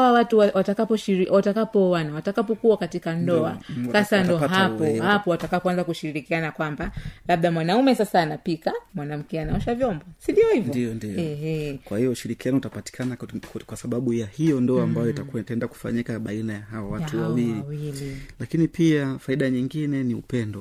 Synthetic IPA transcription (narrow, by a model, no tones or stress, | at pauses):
awawatuwawatakapɔʃiɾiwatakapɔwanawatakapɔkuwakatikandɔasasandɔɦapɔhapɔwatakapɔanzakuʃiɾiɾikianakwambalaɓ̚ɗamwanaumɛsasaːnapikamwanam̩kɛanaɔʃavjɔmbɔsindiɔhivdiɔndiɔɛhɛkwahijɔuʃiɾikianɔutapati̥kʰanakwasaɓaɓujahijɔndɔaːmbajɔitakuwataɛndaku̥fa̰ɲikaɓainajaɦawawatuwawiliwililakinipʰiafaiɗaɲiŋɡinɛniṵpɛndɔ